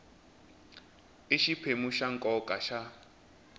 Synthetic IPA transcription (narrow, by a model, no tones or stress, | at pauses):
ɪʃipʰemuʃaŋ̩kʼɔkʼaʃa